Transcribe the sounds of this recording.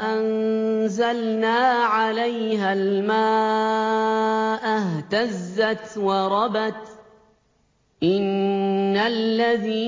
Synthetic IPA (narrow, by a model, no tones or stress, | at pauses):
ʔanzalnaːʕalajɦalmaː | ʔaɦt̪azːat̪wɑɾˤɑbat̪ | ʔɪnː | alːaðiː